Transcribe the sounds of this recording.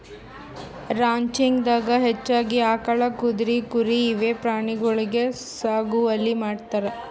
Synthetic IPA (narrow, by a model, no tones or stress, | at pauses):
ɾaːɲt͡ʃiŋɡd̪aːɡɐɦet͡ʃːaːɡiaːkɐɭɐkud̪ɾikuɾiːʋepɾaːɳiɡɔɭiɡe̞ | saːɡuɐlːimaːɖt̪aɾe